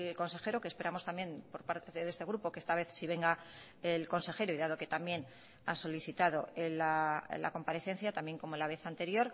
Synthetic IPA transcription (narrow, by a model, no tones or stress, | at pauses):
lko̞nse̞xe̞ɾo̞kespe̞ɾamo̞st̪amje̞mpo̞ɾpaɾt̪eeðe̞st̪e̞ɣ̞ɾupo̞keest̪aβe̞θsiβ̞e̞ŋɡa | elko̞nse̞xe̞ɾoiðað̞o̞ke̞t̪amje̞n | aso̞liθit̪að̞o̞elala̰ko̞mpaɾe̞θe̞n̟θjat̪ambje̞ŋko̞molaβe̞θant̪e̞ɾjo̞ɾ